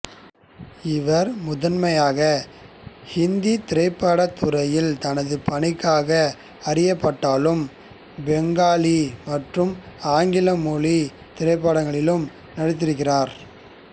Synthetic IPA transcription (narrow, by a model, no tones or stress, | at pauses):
ɪʋɐɾmʊðɐnmɐjaːɣɐ | hɪnd̪it̪ɪɾɐɪpːaːɽɐt̪ːʊɾɐjɪlt̪ɐnɐðɯpɐɳɪkːaːɣɐ | ɐrɪjɐpːɐʈːaːlɯm | bɛŋɡaːlimɐʈrɯmaːŋɡɪlɐmuːli | t̪ɪɾɐɪp̬ːaːɽɐŋɡɐɭɪlɯm | nɐɽɯt̪̬ːɪɾɯkɣɪraːɾ